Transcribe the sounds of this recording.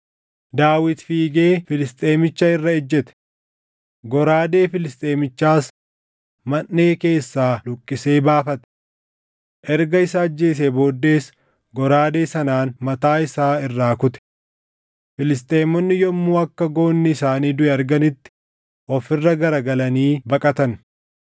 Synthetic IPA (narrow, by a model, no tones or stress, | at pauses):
d̪aːwɪt̪fiːɡe̞ːfɪlɪst̪ʼeːmɪt͡ʃːɐɪrːɐɛd͡ʒːɛt̪ɛ̥ | ɡɔɾaːd̪e̞ːfɪlɪst̪ʼeːmɪt͡ʃːaːs | mɐnːe̞ːke̞ːsːaːlʊkʼːɪse̞ːbaːfɐt̪ɛ̥ | ʔɛɾɡɐɪsaːd͡ʒːe̞ːs̬ebo̞ːd̪ːe̞ːs | ɡɔɾaːd̪e̞ːsɐnaːnmɐt̪aːɪsaːɪrːaːkʊt̪ɛ̥ | fɪlɪs̬t̪ʼe̞ːmːɔnːɪjɔmːuːɐkːɐɡo̞ːnːɪɪsaːniːd̪ʊɛːɾɡɐnɪt̪ːɪ̥ | ʔɔfɪrːɐɡɐɾɐɡɐlɐniːbɐkʼɐt̪ɐn